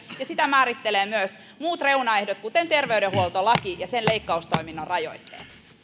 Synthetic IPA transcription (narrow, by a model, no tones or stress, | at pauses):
jɑsit̪æmæːɾit̪ːeleːmyøs | muːt̪reunɑehdot̪̚kut̪ent̪erʋeydehuolt̪olɑkijɑsenleikːɑust̪oiminːorrɑjo̰it̪ːḛːt̪